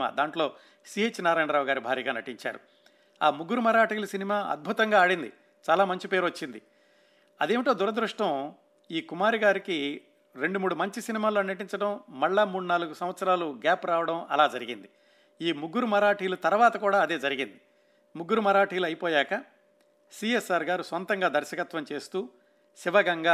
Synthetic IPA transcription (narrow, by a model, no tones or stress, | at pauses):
a̰ːd̪aːɳʈlo̞ː | siːet͡ʃːnaːɾaːjɳɐɾaːʋuɡaːɾibʱaːɾiːɡaːnɐʈiɲt͡ʃa̰ːɾṵ | a̰ːmuɡːuɾumɐɾaːʈiːlɐsinimaːɐ̰d̪̚bʱut̪ɐŋɡaːɽind̪i | t͡ʃaːlaːmɐɲt͡ʃipe̞ːɾʋɐt͡ʃːind̪i | ɐ̰d̪eːmiʈoːd̪uɾɐd̪ɾuʂʈɐm | iːkumaːɾiɡaːɾiki | ɾe̞ɳɖumuːɽumɐɲt͡ʃisinimaːlo̞ːnɐʈ̬iɲt͡ʃɐɽɐmːɐɭːamuːɽunaːluɡusɐm̃ʋɐt̪sɐɾaːluɡaːpɾaːʋɐɽɐmɐ̰laːd͡ʒɐɾiɡḭnd̪i | iːmuɡːuɾumɐɾaːʈiːlut̪ɐɾʋaːt̪ɐkuːɽaːɐd̪e̞ːd͡ʒɐɾiɡind̪i | muɡːuɾumɐɾaːʈiːluɐjipoːjaːkɐ | siːesaːɾɡaːɾusʋɐnt̪ɐŋɡaːd̪ɐɾʃɐkɐt̪ʋɐmt͡ʃe̞ːst̪uː | siʋɐɡɐŋɡaː